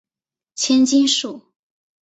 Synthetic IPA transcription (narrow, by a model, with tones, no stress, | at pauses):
t͡ɕʰjɛ˥nt͡ɕi˥nʂu˥˩˦